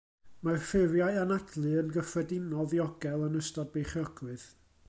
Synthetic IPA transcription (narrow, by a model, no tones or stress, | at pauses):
marfɪrjaɨanadlˠɨənɡəfrɛdɪnɔðiɔɡɛlˠənəstɔd̚bejχɔɡwɨð